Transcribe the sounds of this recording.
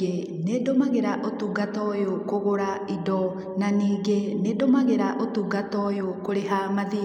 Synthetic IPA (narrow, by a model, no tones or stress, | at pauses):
e | neːdɔmaɣeɾaʔotuɡatɔjokoɣoɾaidɔ | naniːɡeneːdɔmaɣeɾaʔotuɡatɔjokoɾeɦamaði